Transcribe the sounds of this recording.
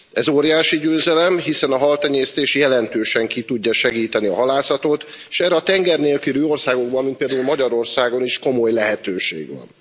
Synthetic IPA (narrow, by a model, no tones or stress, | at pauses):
ɛzoːɾijaːʃiɟøːzɛlɛmɦisɛnɒɦɒlt̪ɛɲeːst̪eːʃjɛlɛnt̪øːʃɛŋkit̪uɟːɒʃɛɡiːt̪ɛniɒ̰ɦɒlaːsɒt̪ot̪eʃɛrɛɒt̪ɛŋɡɛrneːlkyɾyːo̞rsaːɡo̞ɡ̚bɒnmint̪̚peld̪aːulmɒɟɒɾo̞rsaːɡo̞niʃko̞mo̞jlɛɦɛt̪øːʃḛːɡʋɒ̰n